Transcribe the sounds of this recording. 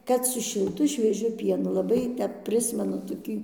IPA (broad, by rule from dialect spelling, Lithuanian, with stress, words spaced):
ˈkɐt sʊ ʃʲɪlˠˈtʊ ʃʲʋʲiɛˈʒʲʊ ˈpʲiɛnʊ lˠɐˈbɐɪ ˈtʲɛp ˈpʲrʲɪsʲmʲɛnʊ toːˈkʲiː